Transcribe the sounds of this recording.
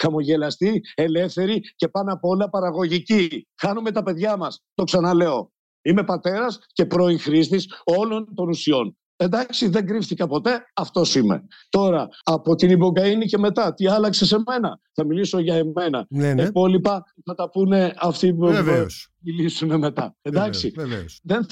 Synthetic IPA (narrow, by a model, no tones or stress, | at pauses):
xɐmo̞ʝe̞lɐst̪ie̞le̞fθe̞ɾice̞pɐnɐpo̞lɐpɐɾɐɣo̞ʝicixɐnume̞t̪ɐpe̞ðʝɐmɐst̪o̞ksɐnɐle̞o̞ | ime̞pɐt̪e̞ɾɐsce̞pɾo̞iŋxɾist̪iso̞lo̞nt̪o̞nusio̞n | e̞nd̪ɐksiðe̞ŋɡɾifθikɐpo̞t̪e̞ɐft̪o̞simḛ | t̪o̞ɾɐːpo̞t̪inibo̞ɡɐinice̞me̞t̪ɐt̪iɐlɐkse̞se̞me̞nɐ̰θɐmiliso̞ʝɐeme̞nɐ̰ipo̞lipɐθɐt̪ɐpune̞ɐft̪i | milisune̞me̞t̪ɐ̰end̪ɐksiðen